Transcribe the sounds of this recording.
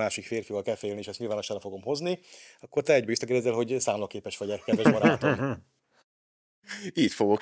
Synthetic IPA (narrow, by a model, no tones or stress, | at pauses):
aːʃikfeːrfivɒlkɛlfɛːlniːʃɛst̪ɲilvaːnoʃɛlɛfo̞ɡo̞mho̞zniɒkːo̞rt̪ɛɛɟbɛʋisːɒkɛrd̪ɛzːɛlɦo̞ɟsaːmlɒkeːpɛʃfɒɟɛkɛd̪vɛʃbɒɾaːt̪o | iːt̪foɡok